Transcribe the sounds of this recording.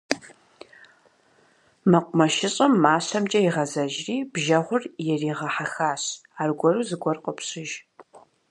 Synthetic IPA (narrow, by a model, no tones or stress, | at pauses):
mɐqʷʊmɐʃɪɕʼɐmːaːɕɐmt͡ʃʼɐɪʁɐzɐʒriːbʒɐʁʷʊrjɛriːʁɐħaxaːɕaːrɡʷɔruːzɨɡʷɔrqʼəpɕɪʒ